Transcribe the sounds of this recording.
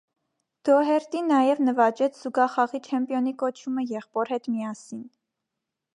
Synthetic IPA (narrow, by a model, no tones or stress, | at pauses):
d̪̥ɔɦɛɾt̪inɑjɛvnəvɑt͡ʃɛt͡sʰz̥uɡɑχɑʁit͡ʃʰɛmpjɔnikɔt͡ʃʰuməjɛχpɔɾhɛt̪miɑsin